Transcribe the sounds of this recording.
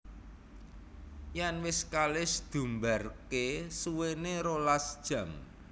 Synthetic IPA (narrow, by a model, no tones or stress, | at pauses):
janwɪskalɪsd̪̥ṳmba̤rkesuweneɾolasd̥ʒ̥ä̤m